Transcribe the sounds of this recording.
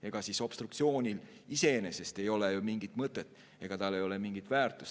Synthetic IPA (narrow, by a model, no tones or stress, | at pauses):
e̞ɡ̥ɑsiso̞b̥st̪ɾuk̚t̪sio̞ːnʲilise̞enese̞st̪e̞jo̞le̞jumiŋɡit̪mɤt̪ːˑe̞t̪ːˑ | e̞ɡ̥ɑt̪ɑlːe̞jo̞le̞miŋɡit̪væːrt̪ːˑu̥s